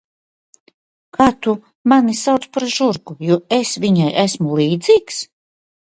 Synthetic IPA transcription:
kaːt̪u | manisawt̪spaɾʒuɾɡujuːesviɲajʔæsmulˠiːd̪ziːks

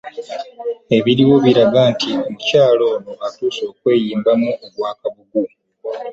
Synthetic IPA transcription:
e̞βiɾiwo̞βiɾaɡantʰiomucaːlo̞ːnoatuːso̞ːkwe̞ːjiːmbamuoβwaːkaβuɡu

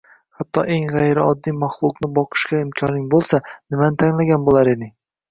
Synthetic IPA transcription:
hat̪ːɒʔe̞ŋʁajɾɪɒd̪ːijmaχlˠʊqnɪbɒqʰɨ̥ʃkʲaɪmkʲʰɒnɪŋbolˠsanɪmanɪt̪ʰaŋlaɡʲanbolˠaɾe̞d̪ɪ

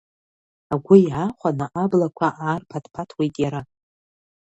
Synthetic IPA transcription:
aɡʷʊjaχʷanaʔablakʷʰaʔaːrpʰatʰpʰatʰwijtʼjaɾa

